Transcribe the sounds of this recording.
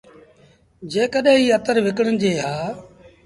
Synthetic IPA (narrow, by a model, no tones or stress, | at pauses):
d͡ʒeːkəɗɦẽːiːət̪əɾʋɪkəɽənd͡ʑeːɦaː